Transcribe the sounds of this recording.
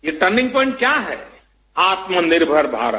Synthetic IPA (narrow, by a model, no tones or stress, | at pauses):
jeʈəɾnɪ̃ŋɡ̚pɔ̃ːɪ̃ɳʈ̚kjaɦɛː | aːt̪mənɪɾbʱəɾbʱa̰ːɾə̰